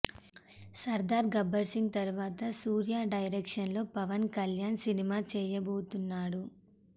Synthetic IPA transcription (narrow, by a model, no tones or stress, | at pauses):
sɐɾd̪aːɾɡɐbɐɾsiŋɡ̚t̪ɐɾuʋaːt̪ɐsuːɾjaːɖɐjɾɛːkʂɐnlo̞ːpɐʋɐnkɐljaːnsinimaːt͡ʃɛːjɐboːt̪unːaːɽu